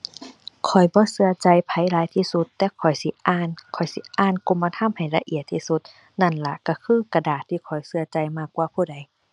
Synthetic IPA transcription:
kʰɔ˨˩jbɔː˧˦sɯ˧ɐt͡ɕa˧jpʰa˧˦jlaː˨˦jt̪ʰiː˧su˧˦t̪ːɛː˧kʰɔ˨˩jsi˧˦ʔaː˧˥˨nkʰɔ˨˩jsi˧˦ʔaː˧˥˨nko˧˥˨mːaː˧t̪ʰa˧˥˨mha˨˩jla˧ʔi˧˨ət̪ʰːiː˧˩su˧˦t̪̚ | na˧˩nla˧ka˧˩kʰɯː˧˥˨ka˧˩daː˨˩t̪ʰːiː˧˩kʰɔ˨˩jsɯ˧ɐt͡ɕa˧jmaː˧˩kːwaː˧pʰuː˧˩da˨˦j

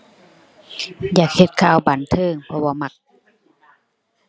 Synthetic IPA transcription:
jaː˨˩k̚he˧t̪̚kʰaː˧˩wba˨˩nt̪ʰɤː˧˨ŋpʰɔ˧waː˧˩ma˧˩k̚

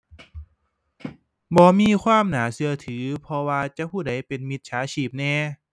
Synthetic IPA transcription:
bɔː˧˦miː˧˥˨kʰwaː˧˥˨mnaː˩˦sɯ˧ɐt̪ʰɯː˩˦pʰɔ˧waː˧t͡ɕa˧˦puː˧˩da˩˧˦jpe˨nmi˧t̪̚t͡ɕʰaː˨˦t͡ɕʰiː˧˩p̚nɛː˧˩

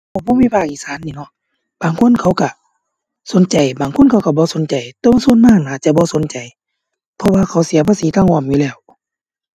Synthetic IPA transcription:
a˧˩bɔː˧˥˨miː˧˨pʰaː˧˩k̚ʔiː˧˨saː˨˦nːiː˧˨nɔ˧˦ | b̥aː˨˩ŋkʰo˧˥˨nkʰa˧˩˦wka˧˩ | so˨˦nt͡ɕa˨˩jbaː˨˩ŋkʰo˧˥˨nkʰa˧˥wka˧˩bɔː˧˦so˨˦nt͡ɕa˨˩jt̪o˧˨ŋsu˧˥˨nmaː˧˥˨ŋnaː˨˩t͡ɕa˧˨bɔː˧˦so˨˦nt͡ɕa˨˩j | pʰɔ˧˨waː˧kʰa˨˦wsi˨˦pʰaː˧˨siː˨˦t̪aː˧˨ŋʔɔː˧˩˨mjuː˧lɛː˧˩˨w

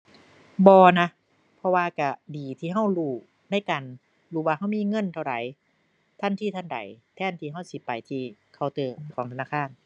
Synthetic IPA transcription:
bɔː˧na˧˥ | pʰɔ˧waː˧ka˧˩diː˨t̪ʰiː˧˩ɦa˧˥˩wɾuː˧˩ | na˧˥˩jka˨n | ɾuː˧waː˧ɦa˧˥˩wmiː˧˥˨ŋɤ˧˥˨nt̪ʰa˧˩wda̰˨˦j | t̪ʰa˧˥˨nt̪ʰiː˧˥˩t̪ʰa˧˥˨nda̰˨˦jt̪ʰɛː˧˩˨nt̪ʰiː˧ɦa˧˥˩wsi˧˦pa˨˩jt̪ʰiː˧kʰa˧˩wt̪ɤː˧˩kʰɔː˨˦ŋʰa˧naː˧˥˩kʰaː˧˥˨n

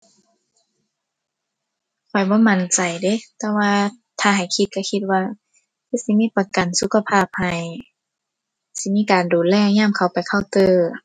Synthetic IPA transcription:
kʰɔ˨˩jbɔː˧˦ma˧˩nt͡ɕa˨˩jde˧˦t̪ɛː˧waː˧ | t̪ʰaː˧˩ɦa˨˩jkʰi˧t̪̚ka˧˩kʰi˧t̪̚waː˧ | ki˧˥˨si˧˦miː˧˥˨pa˨˧˩ka˨nsu˧˦kʰa˧pʰaː˧˩˨p̚ha˨˩j | si˧˦miː˧˥˨kaː˨nduː˨˩t̪̚lɛː˧˨ɲaː˧˥˨mkʰa˨˩wpa˨jkʰa˧˩wt̪ɤː˧

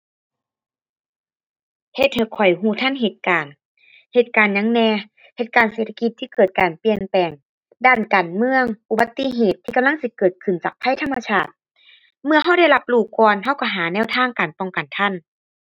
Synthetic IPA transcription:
he˧˩t̪̚he˧˩kʰɔ˨˩jɦuː˧˩t̪ʰa˧˥˨nɦe˧˩t̪̚kaː˨˩n | he˧˩t̪̚kaː˨˩nɲa˧˦ŋnɛː˧ | he˧˩t̪̚kaː˨˩nseː˧˩t̪ʰa˧ki˧˦t̪ʰːiː˧kɤː˨˩t̪̚kaː˨˩npi˧˩ənpɛː˨˩ŋ | daː˧˩nkaː˨˩nmɯ˧əŋʔu˨˧ba˧˦t̪ːi˧˨ɦeː˨˩t̪ʰːiː˧ka˨mla˥˨ŋsi˧˦kɤː˨˩t̪̚kʰɯ˧˩˨nt͡ɕaː˨˩k̚pʰa˧˥˨jt̪ʰa˧˥˨mːa˧sʰaː˧˩t̪̚ | mɯ˧ɐɦa˧˥˩wda˥˩jla˧˥p̚luː˧˩kɔː˧nɦa˧˥˩wka˧˩ɦaː˨˦nɛː˧˩˨wt̪ʰaː˧˥˩ŋkaː˨˩npɔ˧˩ŋka˨˩nt̪ʰa˧˥˩n

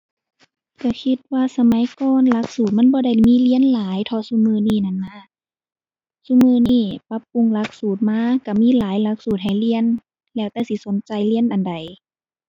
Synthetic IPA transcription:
ka˧˩kʰi˧t̪̚waː˧sa˧ma˨˦jkɔː˧˨nla˧˥k̚suː˨˩t̪̚ma˧˥˨nbɔː˧da˧˩jmiː˧˥˨li˧˨ənlaː˨˦jt̪ʰɔː˧su˧˥mɯː˧niː˧˨na˧˩˨nːa˧˥˨ | su˧˥˨mɯː˧˨niː˧˩pa˧˥pːu˧˨ŋla˧˥k̚suː˨˩t̪̚maː˧˥˨ka˧˩miː˧˥˨laː˨˦jla˧˥k̚suː˨˩t̪̚ha˨˩jli˧˨ə˨n | lɛː˧˩wt̪ɛː˧˩si˧˦so˨˦nt͡ɕa˧jli˧˥˨ənʔa˨nda˨˩j

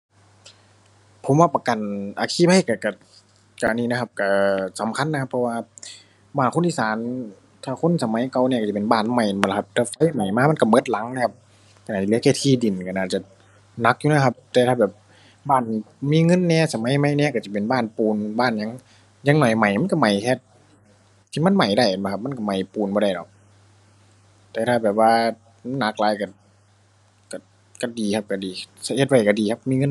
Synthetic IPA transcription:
pʰo˨˦mwaː˧˩pa˧ka˨˩nʔa̰ː˨˩kʰiː˧˩pʰa˧˩˨ka˧˩ka˧˩ | ka˧˨niː˧˨a˧kʰa˧p̚ka˧˩sa˨˦mkʰa˧˥˨nː˧kʰa˧pʰːɔ˧waː˧ | baː˧˩nkxo˧˥˨nʔiː˧˨saː˨˦n | t̪ʰaː˧˩kʰo˧˥˨nsa˧˦ma˨˧˦jka˧˩wnɛ˧˩ka˧˩t͡ɕa˧˩˨pe˨nbaː˧˩nma˧˩jblʰp̚t̪ɛː˧˩fa˧˥˩jma˨˩jmaː˧˥ma˧˥nka˧˩mɤ˧˥˩t̪̚la˨˦ŋna˧kʰa˧p̚ | ka˧˨aː˧˨˩i˧lɯ˧˦˥ka˧˩t̪ʰiː˧˩di˨˩˨nka˧˩naː˧˩t̪̚t͡ɕa˧˩ | na˧˥k̚juː˧n˧˥˧kʰa˧p̚t̪ɛː˧t̪ʰaː˧bɛː˨˩p̚ | baː˧˥˩n | miː˧˥˨ŋɤ˧˥˨nːɛː˧˩sa˧ma˨˧˥jma˧˨jnɛː˧˨ka˧˩t͡ɕi˧˩pe˨nbaː˧˥˩npuː˨nbaː˧˩˨nɲa˧˥˨ŋ | ɲaː˧˦ŋnɔ˨˩jma˨˩jma˧˥˨nka˧˨ma˨˩jkʰɛː˧t̪̚ʰː | iː˧˨ma˧˥˨nma˨˩jda˧˩jm˧˩kʰp̚ma˧˥˨ka˧˩ma˨˩jpuː˨nbɔː˧ɾa˧˩jdɔ̰˨˦k̚ | t̪ɛː˧t̪ʰaː˧˩bɛː˨˩p̚waː˧ | ma˧˥˨na˧k̚laː˨˦jka˧˩ | ka˧˩ | ka˧˩diː˨kʰa˧˥p̚ka˧˩diː˨˩sa˧ʔe˧˩t̪̚wa˧˩jka˧˩diː˨˩kʰa˧p̚miː˧˥˨ŋɤ˧˥˨

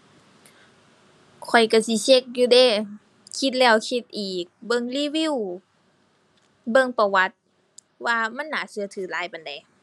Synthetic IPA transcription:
kʰɔ˨˩jka˧˩si˧˦se˧˥k̚juː˧deː˧˨ | kʰi˧˦t̪̚lɛː˧˩˨wkʰi˧t̪̚ʔiː˨˩k̚bɤ˧˨ŋliː˧˥˨wi˧˥˨w | bɤ˧˨ŋpa˧˩wa˧˥t̪̚ | waː˧ma˧˥˨nːaː˨˦sɯ˧˦ɐ˦t̪ʰɯː˨˩˦laː˨˦jpa˨nda˨˩j

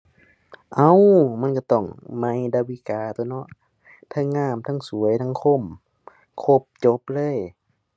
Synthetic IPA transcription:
ʔa˧˥˨wma˧˥˨nka˧˩t̪ɔ˧˩ŋma˧˥˨jda˧˩wi˧˩˨kaː˨˧˩t̪u˧˩˨nɔ˧˥ʔ | t̪ʰa˧˥˩ŋːaː˧˩mt̪ʰaː˧˥˧ŋsu˨˦əjt̪ʰa˧˥˨ŋkʰo˧˩˨m | kʰo˧˥˩p̚t͡ɕo˧˦p̚lɤː˧˥˨j

